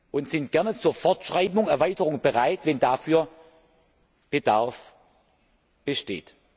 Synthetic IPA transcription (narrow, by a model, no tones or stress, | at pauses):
ʔʊntz̥ɪntɡ̥ɛɐnət͡suːɐfɔɐtʃʁ̥aɪbʊŋɛɐvaɪtəʁʊŋb̥əʁaɪtvɛndafyːɐ | b̥ədaɐf | b̥əʃtḛːt